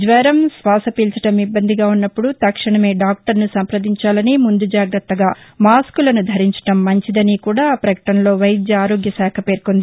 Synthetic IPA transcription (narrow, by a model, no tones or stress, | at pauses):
d͡ʒʋɐɾɐmsʋaːsɐpiːlt͡ʃɐʈɐmibːɐnd̪ʱiɡaːunːɐpːuɽut̪ɐkʂɐɳɐme̞ːɖaːk̚ʈɐɾnusɐmpɾɐd̪iɲt͡ʃaːlɐnimund̪ud͡ʒaːɡɾɐt̪ːɐɡaːmaːskulɐnud̪ʱɐɾiɲt͡ʃɐ̥ʈɐmːɐɲt͡ʃid̪ɐnikuːɽaːpɾɐkɐ̥ʈɐmlo̞ːʋɐjd̪jɐaːɾo̞ːɡjɐsaːkʰɐpe̞ːɾkond̪i